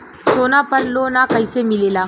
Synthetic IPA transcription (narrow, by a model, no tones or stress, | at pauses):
soːnapɐɾloːnakɐjsemilela